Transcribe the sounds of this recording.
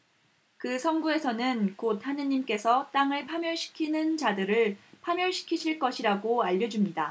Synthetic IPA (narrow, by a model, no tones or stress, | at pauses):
kɯsʰʌnɡue̞sʰʌnɯnkot̚hanɯɲimk͈e̞sʰʌt͈aŋɯɭpʰamjʌɭɕʰi̥kʰinɯnt͡ɕadɯɾɯɭpʰamjʌɭɕʰi̥kʰiɕʰiɭk͈ʌɕʰiɾaɡoaʎːʌd͡ʑumɲida